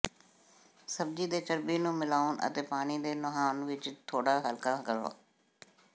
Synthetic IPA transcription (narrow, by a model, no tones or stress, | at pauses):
səb̚d͡ʒiːd̪eːt͡ʃəɾbiːnũːmɪlaːonʔə̰t̪eːpaːɽ̃iːd̪eːnəɦaːnʋɪt͡ʃt̪ʰoːɽaːɦəlkaːkəɾa̰ː